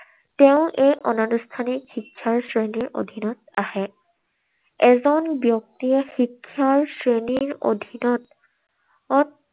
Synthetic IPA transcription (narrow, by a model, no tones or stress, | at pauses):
teʊ̃ʔejʔɔnanustʰanikxikʰːjaɹsɹeniɹʔo̰dʱinɔt̚ahɛ | ɛzɔnbjɔk̚tixikʰːaɹsɹeniɹo̰dʱinɔt | ɔt